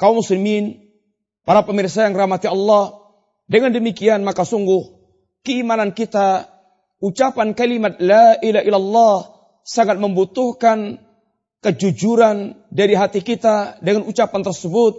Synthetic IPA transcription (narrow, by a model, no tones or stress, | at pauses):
kaumːuslimin | paɾapəmirs̬ajaŋɾahmat̪iɑlːɑh | dəŋandəmikianmakasuŋɡʊh | kəimanankit̪a | ut͡ʃapankalimat̪̚laʔilaɦʔilalːɑh | saŋat̪̚məmbut̪uhkan | kəd͡ʒud͡ʒuɾandaɾiɦat̪ikit̪adəŋanut͡ʃapant̪ərsəbʊt̪̚